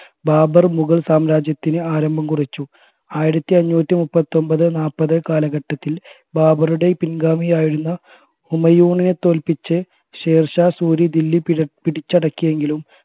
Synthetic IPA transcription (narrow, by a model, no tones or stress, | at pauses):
baːbɐrmuɣɐɭsaːmɾaːd͡ʑjɐt̪ːinɨaːɾɐmbʱɐmkurit͡ɕːu | aːjiɾɐt̪ːiɐɲːuːt̪ːimupːɐt̪ːo̞mbɐðɨnaːpːɐðɨkaːlɐɣɐʈːɐt̪ːil | baːbɐruɽe̞pinɡaːmijaːjiɽunːɐ | umɐjuːɳinɨt̪o̞ːlpit͡ɕːɨ | ɕe̞ːrʂɐsuːɾid̪ilːipiɽit͡ɕːɐɽɐkːuje̞ŋɡilum